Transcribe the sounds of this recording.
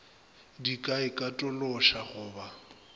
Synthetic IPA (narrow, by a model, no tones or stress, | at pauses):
dikʼaɪkʼatʼɔlɔʃaɣʊːba